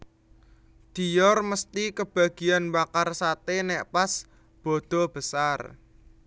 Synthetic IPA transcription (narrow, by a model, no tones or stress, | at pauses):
d̪̥i̤jɔrməst̪ikəb̥a̤ɡ̥ijanbakarsat̪enɛʔpas | b̥ɔ̤d̪̥ɔ̤b̥əsar